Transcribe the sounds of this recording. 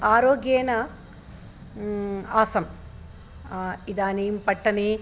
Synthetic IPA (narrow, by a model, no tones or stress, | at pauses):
aːɾoːɡjeːnɐ | aːsɐm | id̪aːniːmpɐʈːɐni